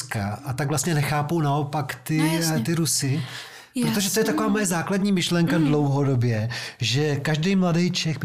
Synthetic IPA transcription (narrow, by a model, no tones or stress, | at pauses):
kaʔat̪aɡvlast̪ɲɛnɛxaːpownao̞pakt̪ɪt̪ɪɾusɪ | pɾot̪o̞ʒɛt̪ojɛt̪akovaːmojɛzaːkladɲiːmɪʃlɛŋkadlo̞wɦo̞do̞bjɛʒɛkaʒdɛjmladɛjt͡ʃɛxb